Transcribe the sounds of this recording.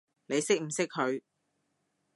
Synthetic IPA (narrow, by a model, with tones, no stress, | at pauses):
ne˨˧jsɪ˥k̚m̩˨˩sɪ˥k̚hʰɵ˨˧ɥ